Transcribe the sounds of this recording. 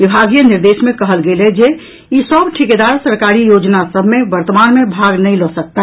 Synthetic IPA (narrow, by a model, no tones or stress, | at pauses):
ʋibʱaɡijəniɾd̪esmẽkəɦəlɡeled͡ʒe | isəbʈʰiked̪aɾsəɾkaɾijod͡ʒnasəbʱmeʋəɾt̪əmanmebʱaɡnəilɔsək̚t̪a